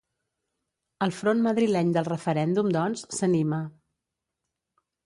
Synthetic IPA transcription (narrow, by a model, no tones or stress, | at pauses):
əlˠfɾonməðɾilɛɲd̪əlˠrəfəɾɛnd̪umd̪ɔnsːənimə